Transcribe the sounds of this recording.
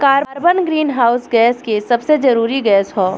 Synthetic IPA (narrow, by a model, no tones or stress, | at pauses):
kaːɾɾbənɡɾiːnɦaːʊsɡɛːskesɐbsed͡ʒɐɾuːɾiɡɛːsɦoː